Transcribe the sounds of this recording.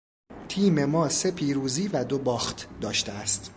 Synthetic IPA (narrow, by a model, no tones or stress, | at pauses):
t̪ʰiːme̞mɒːse̞pʰiːɾuːziːvæd̪o̞bɒːxt̪ʰd̪ɒːʃt̪eæst̪